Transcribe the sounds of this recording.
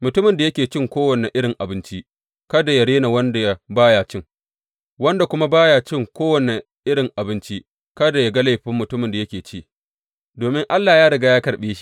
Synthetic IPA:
mʊ˨tʊ˦mɪ˨nda˨jɐ˦kʲeː˨t͡ʃɪ˦ŋkʷoː˦wɐ˨ne˨ʔɪ˦ɽɪ˨ŋʔa˨bɪ˦nt͡ʃi˦ | kɐ˦da˨ja˨ɽeː˦na˨wɐ˦nda˨ja˦baː˦jaː˨t͡ʃɪ˦ŋ | wɐ˦nda˨kʷʊ˦ma˦baː˦jaː˨t͡ʃɪ˦ŋkʷoː˦wɐ˨ne˨ | ʔɪ˦ɽɪ˨ŋʔa˨bɪ˦nt͡ʃi˦ | kɐ˦da˨ja˨ɡa˦la˦˨jɸɪ˦mːʊ˨tʊ˦mɪ˨nda˨jɐ˦kʲeː˨t͡ʃi˦ | doː˨mɪ˦ŋʔa˦lːaː˨jaː˦ɽɐ˨ɡaː˦jaː˦kɐ˨ɽɓeː˦ʃi̥˦

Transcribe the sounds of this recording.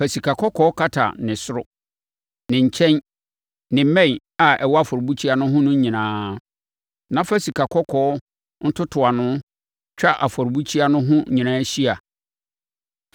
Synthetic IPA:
fæ˨si˨kʰa˨kʰɔ˦kʰɔ˦kʰa˦tʰa̰˨nɪ̃˨sʊ˦ɾʊ˦ | nɪ̃˨ɲ̩˨t͡ɕʰɛ̃˦n | nɪ̃˨˦mɛ̃˦˨ | a˨ɛ˨wɔ˦a˨fɔ˨ɾbu˦t͡ɕʰi˦a˦nʊ̃˦ɦʊ̃˦nʊ̃˦ɲ˦ɲĩ˨nãː˦ | nã˦fæ˦si˨kʰa˨kʰɔ˦kʰɔː˨˦ | n̩˦tʰʊ˦tʰʊ˨a˨nʊ̃˦ | t͡ɕᶣa˦ʔa˨fɔ˨ɾbu˦t͡ɕʰi˦a˦nʊ̃˦ɦʊ̃˦ɲĩ˨nãː˦ɕi˦a˨

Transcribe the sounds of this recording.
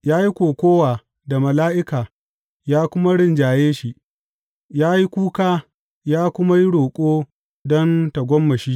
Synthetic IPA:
jaː˦ji˦kʷoː˨kʷoː˦waː˨ | da˨mɐ˨laː˦ʔɪ˦kaː˨ | jaː˦kʷʊ˦ma˦ɽɪ˦˨nd͡ʒaː˨jeː˦ʃi˨ʔ | jaː˦ji˦kʷuː˦kaː˦ | jaː˦kʷʊ˦ma˦ji˦ɽoː˨kʷʼoː˦ | dɔ˦nta˨ɡʷɔ˦mːɐ˨ʃiː˦

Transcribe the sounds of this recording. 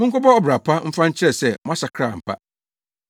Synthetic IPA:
mʊ̃˦ŋ̩˦ko˦bɔ˦ɔ˦˨bɾa˨pʰa˦m̩˦fã˦ɲ̩˦t͡ɕʰɪ˦ɾɛ˨sɛ˦˨mʊ̃˦a˦sa˨kʰɾaː˦˨m̩˨pʰa̰˦

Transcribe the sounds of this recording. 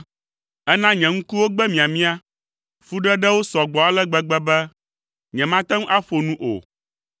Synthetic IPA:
ɛ˦nã˦ɲɛ̃˨ŋ̩̃˦ku˦wo˦ɡ͡bɛ˦mĩ˨a˨mĩ˦a˦ | fu˦ɖɛ˦ɖɛ˦wo˦sɔ˨ɡ͡bɔ˨a˦lɛ˦ɡ͡bɛ˦ɡ͡bɛ˦bɛ˦ | ɲɛ̃˨mã˦t̪ɛ˦m˦ʔa˦ɸo˨nũ˦ʔo̰˨

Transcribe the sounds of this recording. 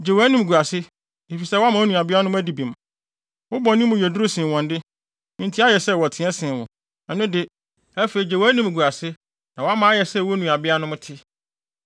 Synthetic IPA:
d͡ʑe˨wæː˦nĩ˨m˨ɡu˨a˨sɪ˦ | e˨fi˨sɛ˦wa˦mã˨˦o˦nũ˨a˨bɪ˦a˦n˦ʊ̃˦æ˦di˨bĩ˨m˨ | wʊ˦bɔ˨nĩ˦ʊ̃˨jɛ˨dɾʊ˦sɪ̃˨wɔ̃˨ndɪ˦ | ɪ̃˦n˦tʰi˦a˦jɛ˨sɛ˦˨wɔ˨tʰɪ̃˨˦ɛ˦sɪ̃˨wʊ̰̃˨ | ɛ˨nʊ̃˦dɪ˦ | æ˦fe˨i˨d͡ʑe˨waː˨˦nĩ˦m˨ɡu˨a˨sɪ˦ | nã˨wɔ˦a˦mã˨˦a˦jɛ˨sɛ˦˨wɔ˦nũ˨a˨bɪ˦a˦nʊ̃˦mʊ̃˦tʰɪ˦

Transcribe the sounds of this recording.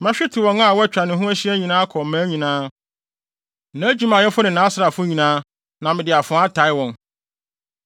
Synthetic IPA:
mã˦ɕᶣɪ˦tʰɪ˨wɔ̃˨˦na˦˨wt͡ɕᶣa˨nɪ̃˨˦ɦʊ̃˦æ˦ɕi˦æ˦ɲĩ˨nãː˦kʰɔ˨m̩˨mæ̃˨˦ɲĩ˨nãː˦˨ | nã˨˦d͡ʑi˦mã˨ɛ˦fʊ˦nɪ̃˨nã˨˦sɾa˨fʊ˦ɲĩ˨nãː˦ | nã˨mɪ̃˨dɪ˨a˨fʊ̃˨˦a˦tʰa˨˦ɪ˦wɔ̃˨n

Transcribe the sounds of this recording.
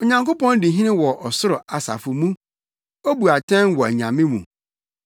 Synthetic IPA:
o˨ɲã˨ŋko˦pɔ̃˦ndɪ̃˨ɦĩ˦nɪ̃˦wɔ˨ʔɔ˨sʊ˦ɾʊ˨a˨sa̰˨fʊ˨mũ˦ | o˦bu˨a˨tʰɛ̃˦nwɔ˨æ˨ɲ˨ã˨mɪ̃˦mṵ̃˨

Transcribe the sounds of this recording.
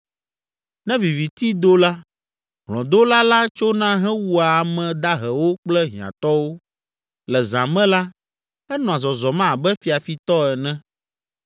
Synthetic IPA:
nɛ̃˦vi˨vi˨t̪i˦d̪o˦la˦ | ɦlɔ̰̃˨d̪o˦la˦la˦t͡ʃo˦nã˦ɦɛ̃˦wu˦a˨mɛ̃˨d̪a˦ɦɛ˨wo˦k͡plɛ˦ɦḭ̃˨ã̰˨t̪ɔ˦wo˦ | lɛ˨zã˨mɛ̃˦la˦ | ɛ˦nɔ̃˨a˨zɔ˨zɔ˨mã˦˨bɛ˦fi˨a˨fi˨t̪ɔ˦ɛ˨nɛ̃˦

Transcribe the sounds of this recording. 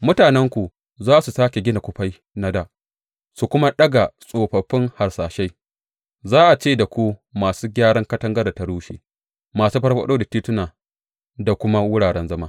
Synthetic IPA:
mʊ˦taː˨nɛ˦ŋkʷu˨ | zaː˦su˨saː˦kʲe˨ɡʲɪ˦na˨kʷʊ˦ɸa˦j | na˦da˨ʔ | su˨kʷʊ˦ma˦ɗɐ˦ɡa˨sʼoː˨ɸɐ˨ɸːɪ˦ŋha˨rsaː˨ʃa˦j | zaː˦ʔa˨t͡ʃeː˦˨da˨kʷu˦maː˨suː˦ɡʲaː˦ɽɐ˦ŋkɐ˦tɐ˦ŋɡɐ˦ra˨ta˨ɽuː˦ʃḛː˨ | maː˨suː˦ɸɐ˦ɽɸɐ̰˦ɗoː˦da˨tiː˦tʊ˦naː˨ | da˨kʷʊ˦ma˦wʊ˦ɽaː˨ɽɛ˦nzɐ˦maː˦

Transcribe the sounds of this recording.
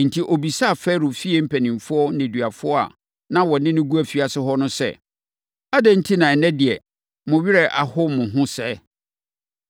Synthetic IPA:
n̩˨tʰi˦ʔo˨bi˨sa˦a˨fɛ˦ɾʊ˨fi˦ɛ˨m̩˦pʰæ˨nĩ˨m˨fʊ˦ɔ˦nẽ˨dɥa˨fʊ˦ɔ˦a̰˨ | nã˦wɔ˨nɪ̃˦nʊ̃˦ɡu˦æ˨fi˨a˨sɪ˦ɦɔ˦nʊ̃˦sɛ̰˦ | a˦dɛ̃˦n̩˦tʰi˦nã˨ɛ˨nɛ̃˦dɪ˨ɛ˨ | mʊ̃˨ɥɪ˦ɾɛ˦ʔa̰˨hʊ˦mʊ̃˨ɦʊ̃˦sɛ˦

